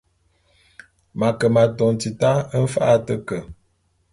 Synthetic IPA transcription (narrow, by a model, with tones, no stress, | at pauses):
ma˨kə˨ma˨tɔ˨ŋ˨ti˨ta˦ə˦n̩˦fa˦ʔa˦tə˦kə˨